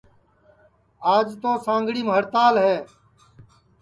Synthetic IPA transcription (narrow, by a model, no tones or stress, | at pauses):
aːd͡ʒt̪oːsãːŋɡɽiːmɦəɾt̪aːlɦeː